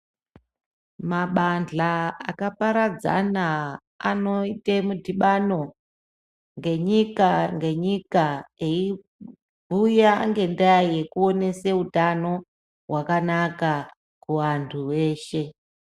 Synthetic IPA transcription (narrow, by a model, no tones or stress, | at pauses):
maɓand͡ɮaakapaɾad͡za̰na | a̰no̞itemudʱiɓano̞ | ŋɡe̞ɲikaŋɡe̞ɲikaei | bʱujaŋɡe̞ndajaje̞kuo̞ne̞se̞utano̞ | ɦwakanaka | kuʋantʰuwe̞ːʃe̞